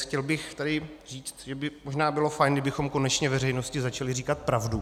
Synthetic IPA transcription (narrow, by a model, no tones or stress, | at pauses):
xcɛlbɪxt̪adɪr̝iːt͡st̪ʒɛbɪmoʒnaːbɪlo̞fajnɡdɪbɪxo̞mko̞nɛt͡ʃɲɛvɛrɛjno̞scɪzat͡ʃalɪriːkat̪̚pɾavdu